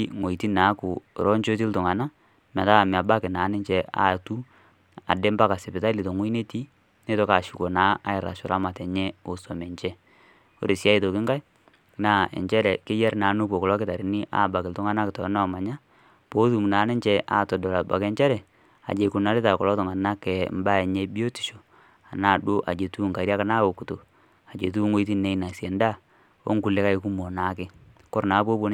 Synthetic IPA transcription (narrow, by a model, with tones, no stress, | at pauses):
ŋo˨i˨ti˦naː˨˦kʊ˨ɾɔ˦nt͡ʃo˦t̬i˦ltʊ˨ŋa˨na˦ | ma˨ta˦˨mɛ˨a˨ba˦kɪ˨na˨˦nɪ˦ɲt͡ʃɛ˦ʔa̰˦tu˦ | a̰˨de˦mba˦ka˨sɪ˨pɪ˨ta˦li˨to˨ŋu˦i˦ne˦ti˦ | ne˦tɔ˦ka˨ʃu˨ko˨naː˨˦a˦ɪ˨ɾa̰˨ʃʊ˨ɾa˦ma˨tɛ˨ɲɛ˦o˨sɔ˨mɛ˨ɲt͡ʃɛ˦ | o̰˦ɾe˨sa˦i˨to˨kɪ˦ŋɡa˦j | na˦ɛ̰˨ɲt͡ʃɛ˦ɾɛ˨kɪ˦jɛ˦rnaː˨˦nu˦ko˨kɔ˨lɔ˦kɪ˦ta˨ɾɪ˨˦ni˦ʔa̰˦˨ba˨kɪ˨ltʊ˦ŋa˦na˦kɪ˨tɔ˨˦nɔ˦˨ma˨ɲa˦ | po˦t̬u˨mu˨na˨˦ne˦ɲt͡ʃɛ˦ʔa̰ː˦˨tɔ˨dɔ˨la˨ba̰˨ke˦ɲt͡ʃɛ˦ɾɛ˨ | a̰˨d͡ʒe˨ku˨na˦ɾɪ˦ta˨kɔ˨lɔ˦tɔ˨ŋa˨na˦kɛ˨mba˦e˨ɲe˦bi˦o˦ti̥˨ʃo˨ | a˨na˦˨ɗu˦ʔa̰˨d͡ʒe˨tu˦˨ŋka˨ɾja˦ka˦na˦o˨ku˨to˨ | a˨d͡ʒe˨t̬u˦ŋo˦i˦ti˦ne˨˦i˦na˨sjɛ˨nda˦˨ | o̰˦ŋku˨le˦ka˦i˨˦ku˦mo˨na˨˦kɪ˦ | kɔ˦ɾna˨˦po˦bo˦n˦